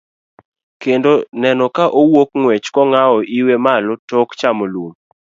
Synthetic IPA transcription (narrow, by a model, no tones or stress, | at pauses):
kendonɛnɔkaʔowokŋwɛt͡ʃkɔŋaɔʔiwemalɔtɔkt͡ʃamolwom